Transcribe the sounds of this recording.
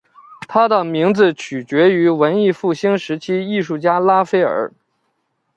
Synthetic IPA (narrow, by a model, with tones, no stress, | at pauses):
t̪ʰa˥d̪ə˨˩mi˧˥ŋd͡zɹ̩˧t͡ɕʰy˨˩t͡ɕɥɛ˧˥y˧˥wə˧˥ni˥˧fu˥˩ɕi˥ŋʂɻ̩˧˥t͡ɕʰi˥i˥˧ʂu˥˩t͡ɕja˥la˥fe˥ɪə̰˞˨˧˥